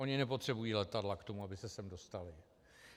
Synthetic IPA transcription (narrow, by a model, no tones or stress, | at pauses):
ʔo̞ɲɪnɛpo̞t̪r̝̥ɛbujiːlɛt̪adlakt̪o̞muabɪsɛsɛmdo̞st̪alɪ